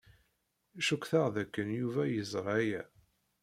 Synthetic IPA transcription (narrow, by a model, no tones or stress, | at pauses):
ʃukːθəʁðækːənjuvæjəzˤɾˤæjæ